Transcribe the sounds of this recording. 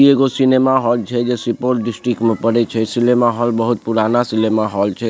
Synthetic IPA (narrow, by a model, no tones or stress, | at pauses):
ieɡosinemaɦɔlt͡ʃʰɛd͡ʒesipoɾʈ̚ɖisʈɾikmẽpəɾɛt͡ʃʰɛsilemaɦɔlbəɦut̪̚puɾanasilemaɦɔlt͡ʃʰɛ